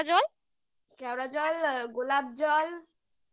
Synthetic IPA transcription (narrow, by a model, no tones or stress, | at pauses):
d͡ʑɔl | kɛwɾad͡ʑɔlɡolab̚d͡ʑɔl